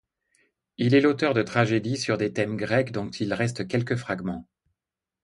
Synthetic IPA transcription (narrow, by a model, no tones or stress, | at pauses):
ilɛlot̪œʁd̪ət̪χaʒed̪isyʁd̪et̪ɛmɡʁɛkd̪ɔ̃t̪ʰilʁɛst̪kʲɛlkəfχaɡmɑ̃